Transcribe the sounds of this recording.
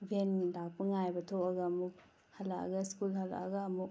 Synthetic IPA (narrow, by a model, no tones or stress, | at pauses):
bʱenidak̚pɐŋajbɐtʰoɐɡɐːmuk̚ | hɐlaɐ̰ɡɐskulhɐla̰ɐɡɐːmu